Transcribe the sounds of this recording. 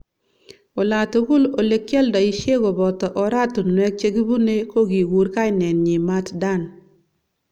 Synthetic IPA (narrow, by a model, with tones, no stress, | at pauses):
o˨la˨tu˦ɡʊ˦lo˨le˨kjɛ˦ldɔ˨i˦ʃe˦kɔ˨bɔ˨tɔ˨ʔɔ˨ɾa˦tu˨nwɛ˦k̚t͡ʃe˦ɡi˦bu˦ne˦ko˦ɡi˨ɡu˨ɾka˦inɛ˨nɲi˨ma˦tda˦˨n